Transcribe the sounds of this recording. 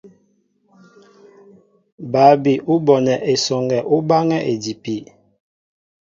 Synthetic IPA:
ba˨˦bi˨ʔu˦bɔ˨nɛ˨ʔe˨sɔ˨ŋɡɛ˨ʔu˦ba˦ŋɛ˦ʔe˨di˨pi˨

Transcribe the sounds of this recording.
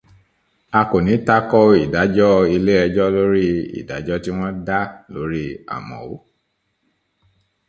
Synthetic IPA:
a˧ko˨nĩ˨˦ta˦kɔ˦i˨da˨˦d͡ʒɔ˦i˧le˦ɛ˧d͡ʒɔ˦lo˦ɾi˦ḭ˨da̰˨˦d͡ʒɔ˦ti˦w̃ɔ̃˦da˦lo˨˦ɾi˦a̰˨mɔ̰̃˨o˦

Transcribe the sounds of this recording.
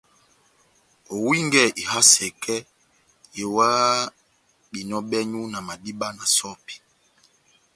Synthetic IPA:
o˨wi˦ŋɡɛ˦˨ʔi˨ha˦sɛ˨kɛ˦ | je˨wa˦ | ɓi˨nɔ˦ɓɛ˦ɲu˦na˨ma˨di˦ɓa˦na˨sɔ˦pi̥˨

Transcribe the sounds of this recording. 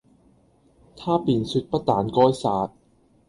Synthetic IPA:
t̪ʰaː˥˩piː˨˩nsu˧˥t̪̚pa˧˥t̪aː˨˩˦nkɔː˧˥˩jsaː˧˩t̪̚

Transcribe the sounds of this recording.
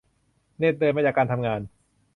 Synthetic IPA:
ne˥˩t̪̚dɤː˧maː˧ja˨˩kaː˧nt̪ʰa˧mŋaː˧n

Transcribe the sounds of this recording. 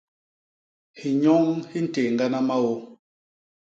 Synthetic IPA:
hi˨ɲɔ˦ŋhi˦n̩˦te˨ŋ˨ɡa˦na˦ma˦wɔ˦

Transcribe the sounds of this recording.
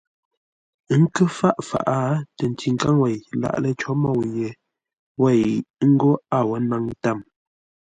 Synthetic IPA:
ŋ̩˦kə˦fa˦˨ʔfa̰˨ʔa˦tə˨n̩˨ti˨ŋ̩˨ka˦ŋwɛ˨jla̰˨ʔlə˦t͡ʃɔ˦mɔ˦˨wje˨ | wɛ˦˨jŋ̩˦ɡo˦a˦˨wɔ˦na˦ŋ˦ta˦˨m

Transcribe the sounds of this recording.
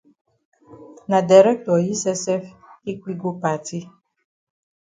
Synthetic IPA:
nã˨da˨ɾɛ˦k̚tɔ˨ji˦sɛ˦sɛ˦fi˦k͡pi˦ɡo˦pa˨ti˦

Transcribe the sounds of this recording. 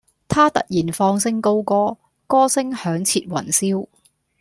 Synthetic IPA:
t̪ʰaː˥t̪ɐ̰˨t̚jiː˨˩nfɔː˧ŋsɪ˥ŋko˥wkɔː˥ | kɔː˥sɪ˥ŋhœː˨˥ŋt͡sʰiː˧t̚wɐ̰˨˩nsiː˥w

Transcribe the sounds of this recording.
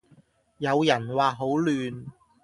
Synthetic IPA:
jɐ˨˧wjɐ˨˩nwaː˨ɦo˨˥wlyː˨n

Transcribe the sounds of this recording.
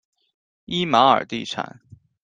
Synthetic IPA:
i˥ma˧˥ə̰˞˨˩t̪i˥˩ʈ͡ʂʰa̰˨˩˦n

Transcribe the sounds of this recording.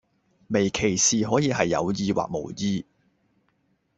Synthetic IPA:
me˨˩jkʰe˨˩jsiː˨ɦɔː˨˥jiː˧hɐ˨jːɐ̰˨˧wjiː˧wa̰ː˨k̚mo˨˩wjiː˧

